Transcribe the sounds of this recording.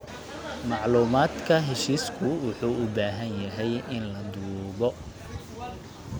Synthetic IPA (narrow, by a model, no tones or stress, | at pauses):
mɑʕluːmaːd̪kʰɐɦɛʃiːskʰʊwʊħuːʔʊbaːɦɐnjɐɦɛjɪnlɐd̪uːɣɔ